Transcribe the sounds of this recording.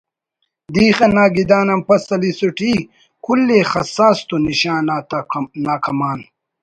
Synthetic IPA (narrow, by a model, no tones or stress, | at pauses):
d̪iːxɐnaːɡid̪aːnɐmpɐsɐlisuʈiː | kʰulːeːxɐsaːst̪uniɕaːtnaːkɐmaːn